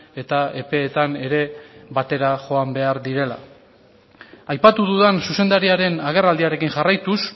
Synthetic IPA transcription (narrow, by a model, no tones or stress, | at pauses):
e̞t̪ae̞pe̞ːt̪ane̞ɾe̞βat̪e̞ɾaʝo̞ambe̞aɾðiɾe̞la̰ | ajpat̪uðuðansuse̞nd̪aɾiaɾe̞naɣ̞e̞rald̪iaɾe̞kiŋʝarajt̪us